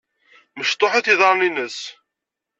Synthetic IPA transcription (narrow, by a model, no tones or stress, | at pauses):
məʃt̪ˤːoħaθiðəɾˤninəs